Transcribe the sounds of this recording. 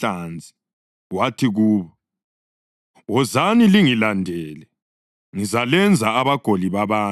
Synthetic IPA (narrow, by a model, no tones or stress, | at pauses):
and͡zʱi̥ | watʰiɣuːβɔ | ɔzaniliŋilandʱɛːlɛ | ŋizalɛnd͡zʱaːβaɡ̥ʱoliβaβaː